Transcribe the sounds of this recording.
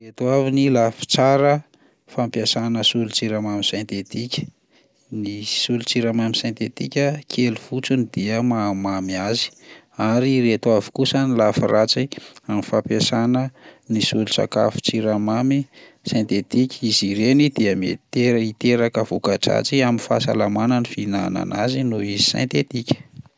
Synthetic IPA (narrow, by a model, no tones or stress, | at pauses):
ret̪wavinilafi̥t͡saɾə | fampjasanəsulut͡siɾamamisẽnt̪et̪ikʲə̥ | nisulut͡siɾamamisẽnt̪et̪ikʲəkʰeluv̥ut͡sunid̪̥iəmamamiazi̥ | aɾiret̪wavi̥kusanilafirat͡siamifapesanənisulusa̰ka̰fu̥t͡siɾamami | sẽnt̪et̪ikʲiziɾenid̪̥iəmḛt̪eɾit̪eɾakəvukaʈ͡ʂa̰t͡siaminfa̰sa̰lamanənifinana̰nazinuizi̥sḛ̃nt̪et̪ikʲə̥